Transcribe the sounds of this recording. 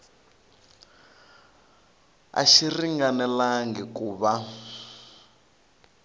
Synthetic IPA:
a̰ʃiriŋɡanɛlaŋɡɛkuːβa

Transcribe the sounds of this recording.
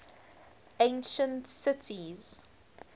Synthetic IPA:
ẽnʃə̃ntsɪtʰiz̥

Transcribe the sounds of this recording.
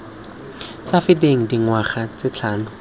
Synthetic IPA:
safɪtʼeŋ̩diŋwaχat͡sɪt͡ɬʰaːnʊ

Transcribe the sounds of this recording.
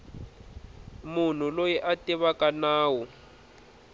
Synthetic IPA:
mun̤ulojiʔatiβakanaːwu

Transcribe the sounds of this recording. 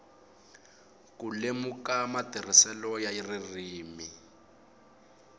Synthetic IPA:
kulemukamadʱir̤isɛlɔjaiririːmi

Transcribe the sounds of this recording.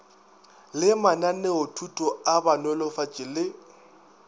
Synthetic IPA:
lɪmananɛʊtʰutʼɔabanɔlɔfat͡ʃʼɪlɪ

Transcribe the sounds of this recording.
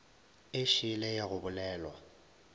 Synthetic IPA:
ɪʃɪlɛjɛɣʊbʊlɛːlɔ

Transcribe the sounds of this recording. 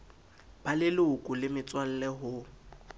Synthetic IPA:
b̥alɪlʊʊkʼʊlɪmɪt͡sʼwal̩lɛɦʊ

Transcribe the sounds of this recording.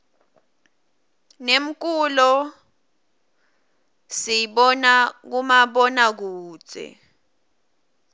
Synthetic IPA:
nem̩k̬ʼulɔ | sijɓɔnak̬umaɓɔnak̬u̥ːt͡sʼɛ̰

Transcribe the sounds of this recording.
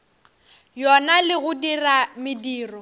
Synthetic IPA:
jɔnalɪɣʊdiramɪdiːrɔ

